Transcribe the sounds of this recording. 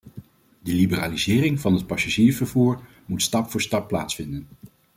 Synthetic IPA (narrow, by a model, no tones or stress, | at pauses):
dəlibəraːlizɪːrɪŋvɑnɦət̚pɑsaʒiːɹvəɹvuːɹ | mutstɑpfʊːɹstɑpːla̰ːtsfɪndən